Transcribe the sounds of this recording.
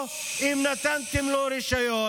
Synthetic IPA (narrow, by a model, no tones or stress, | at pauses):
imnɐt̪ɐnt̪imloːɾiʃɐjo